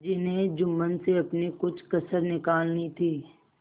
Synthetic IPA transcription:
d͡ʒɪnɦẽd͡ʒʊmːənseɐpnikʊt͡ʃʰkɐsəɾnɪkaːlnit̪ʰiː

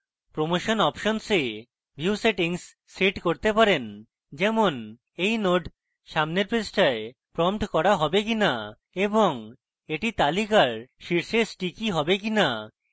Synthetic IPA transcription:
pɾomoʃonɔpʃonse | bʱiuseʈiŋsː | eʈkoɾt̪epaɾen | d͡ʑɛmon | ejnoɖ | ʃamneɾpɾesʈaepɾɔmʈkɔɾaɦɔbek̬ina | eboŋ | eʈit̪alikaɾʃiɾʃesʈikiɦɔbekina

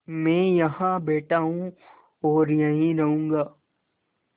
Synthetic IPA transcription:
mɛ̃ːjɐɦãbeːʈaːɦũ | ɔːɾjɐɦĩɾɐɦũːŋɡaː

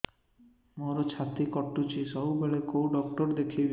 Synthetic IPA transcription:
moɾot͡ɕʰat̪ikɔʈːut͡ʃʰisɔɦubʱeɭekowɖɔkʈɔɾd̪ekʰibe

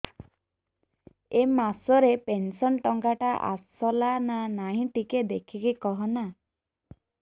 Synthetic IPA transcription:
emasɔɾepensɔnʈɔŋɡaʈaʔa̰sɔlananaɦĩʈiked̪ekʰikikɔɦɔna

